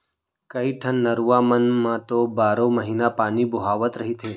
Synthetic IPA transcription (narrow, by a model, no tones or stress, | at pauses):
kəiʈʰənːəɾuʋamənmãt̪obaːɾoməɦiːnapaːnibʊɦaːʋət̪ɾəɦit̪ʰeː